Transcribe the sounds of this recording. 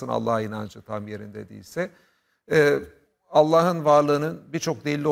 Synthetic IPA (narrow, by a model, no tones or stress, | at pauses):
ɯna̰lˠːahinand͡ʒɯt̪ʰamjeɾind̪ɛ̰d̪ḭilʲsɛ | ɛː | alˠːaːɦɯnvaɾlˠɯːnɯnbiɾt͡ʃʰo̞k̚d̪elʲːio